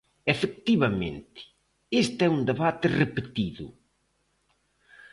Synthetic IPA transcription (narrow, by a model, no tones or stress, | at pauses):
efek̚t̪iβɐmḛ̃nt̪ɪ̥ | est̪ɛund̪eβat̪ɪrepet̪iðʊ̰